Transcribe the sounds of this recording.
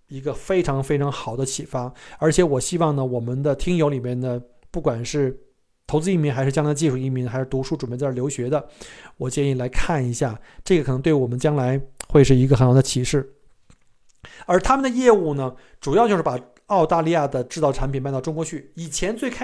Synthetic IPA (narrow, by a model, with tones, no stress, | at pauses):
i˧˥ɡə˧fe˥ɪʈ͡ʂʰɑ˧˥ŋfe˥ɪʈ͡ʂʰɑ˧˥ŋxɑ˨˩ʊd̪ə˦t͡ɕʰi˨˩fa˥ə˞˧˥t͡ɕʰjɛ˧˥wɔ˨˩ɕi˥wɑ˥˩ŋnə˩wɔ˨˩mə˦nd̪ə˨t̪ʰi˥ŋjo˧˥ʊli˨˩mjɛ˥˩nd̪ə˩ | pu˥˩kwa˨˩nʂɻ̩˥˩ | t̪ʰo˧˥t͡sɹ̩˥i˥˩mi˧˥ŋxʂɻ̩˥˩t͡ɕɑ˥ŋla˧˥d̪ə˧t͡ɕi˥˧ʂu˥˩i˥˩mi˧˥ŋxʂɻ̩˥t̪u˧˥ʂu˥˩ʈ͡ʂu˨˩mjɛ˥t͡sjo˧˥ʊɕɥɛ˧˥d̪ə˧wɔ˨˩t͡ɕjɛ˥˧ni˥˩la˧˥ɪkʰa˥˩ni˧˥ɕja˥˩ʈ͡ʂɤ˥˩ɡə˩kʰnɤ˧˥ŋt̪we˥˩wɔ˨˩mə˦nt͡ɕjɑ˥ŋla˧˥ɪxwe˥˧ɪʂ̬ɻ̩˥˩i˧˥ɡə˧xə˧˥nxɑ˨˩d̪ə˧t͡ɕʰi˨˩ʂɻ̩˥˩ | ə˞˧˥t̪ʰa˥mə˨nd̪ə˩jɛ˥˧u˥˩nə˩ | ʈ͡ʂu˨˩jɑ˥˧t͡ɕjo˥˧ʂɻ̩˥˩pa˨˩ | ɑ˥˧ʊt̪a˥˧li˥˧ja˥˩d̪ə˩ʈ͡ʂɻ̩˥˧t̪ɑ˥˩ʊʈ͡ʂʰa˧˥npʰi˨˩npa˥˧nt̪ʈ͡ʂʊ˥ŋkwɔ˧˥t͡ɕʰy˥˩i˨˩t͡ɕʰjɛ˧˥nt͡swe˥˧ɪkʰ